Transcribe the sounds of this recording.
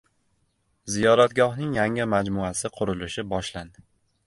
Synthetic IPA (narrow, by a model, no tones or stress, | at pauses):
zijɒɾat̪ɡɒhnɪŋjaŋɪmad͡ʒmʊasɪqʰʊɾɪlɪʃɪbɒʃland̪ɪ